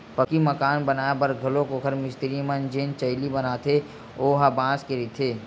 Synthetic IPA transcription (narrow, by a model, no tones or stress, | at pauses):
pəkiməkaːnbɐnaːjabɐɾɡʱɐlõkokʰəɾmɪst̪ɪɾimənd͡ʒeːnt͡ʃəɪlibɐnaːt̪ʰe | oːɦabãːskeɾit̪ʰeː